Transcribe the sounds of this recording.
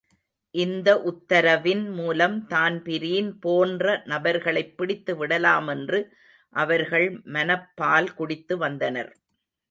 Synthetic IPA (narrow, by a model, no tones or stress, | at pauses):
ʔɪnd̪ɐʔʊt̪ːɐɾɐʋɪnmuːlɐmt̪aːnpɪɾiːnpoːndrɐnɐbɐɾɣɐɭɐɪpːɪɽɪt̪ːɯʋɪɽɐlaːmɛndrɯ | ʔɐʋɐɾɣɐɭmɐnɐpːaːlkʊɽɪt̪ːɯʋɐnd̪ɐnɐɾ